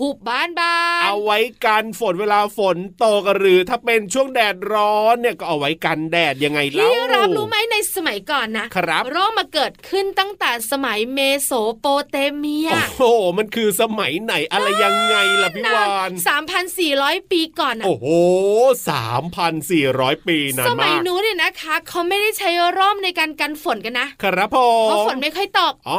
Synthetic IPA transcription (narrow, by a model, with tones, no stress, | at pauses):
pʰu˨˩p̚baː˥˩nbaː˧ʔa˧wːa˦˥jka˧nfo˨˦nweː˧laː˧fo˨˩˦nt̪oː˧ka˧ɾɯː˧˩t̪ʰaː˥˩pe˧nt͡ɕʰu˥˩əŋdɛː˨˩t̪̚ɾɔː˦˥nːi˥˩ɐkɔː˥˩ʔa˧wːa˦˥jka˧ndɛː˨˩t̪̚ja˧ŋːa˧jla˧˥˩ɾa˦˥ɾuː˦˥ma˦˥jna˧jsa˧ma˨˩˦jkɔː˨˩nːa˦˥kʰɾa˦˥pɾoː˥˩ŋmaː˧kɤː˨˩t̪̚kʰɯ˥˩nt̪a˥˩ŋt̪ɛː˨˩sa˧ma˩˦jmeː˧soː˩˦poː˧t̪eː˧mi˧˥ɐoː˧o˧˩ma˧nkʰɯː˧sa˧ma˩˦jna˩˦jʔa˧ɾa˧jːa˧ŋːa˧jla˨˩pʰi˦˧waː˧nsaː˩˦mpʰa˧nsiː˨˩ɾɔː˦˥jpiː˧kɔː˨˩nːaʔoː˧˩hoː˧˩sa̰ː˩˦mpʰa˧nsiː˨˩ɾɔː˦˥jpiː˧na˧sa˧ma˨˦jnuː˦˥ni˧˨˩na˦˥kʰa˦˥kʰa˦˥wma˥˩jda˥˩jt͡ɕʰa˦˥jɾɔː˥˩mna˧jkaː˧nka˧nfo˨˩˦nka˧nːa˦˥ʔkʰɾa˦˥pʰːo˨˩ɔ˧˦fo˨˦mnma˥˩jkʰɔ˥˩jt̪ɔ˨˩p̚ʔɔ˧˩